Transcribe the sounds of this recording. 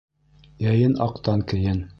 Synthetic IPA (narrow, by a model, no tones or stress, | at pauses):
jæjɘnɑqt̪ɑŋkɘ̆jɘn